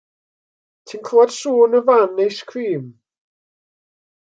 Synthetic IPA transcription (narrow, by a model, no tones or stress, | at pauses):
tʰinkʰloːd̥suːnəvanejskʰriːm